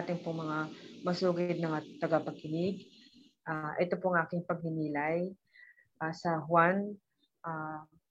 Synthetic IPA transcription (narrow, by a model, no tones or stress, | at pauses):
t̪ɪŋpoŋmɐŋamɐsuːɡɐɪd̪nɐŋat̪ɐɡapɐkɪnɪɡ̚ | ʔaʔɛt̪o̞poɐŋʔaːkɪŋpɐɡ̚nɪnilaj | ʔaːsɐɦwan | ʔaː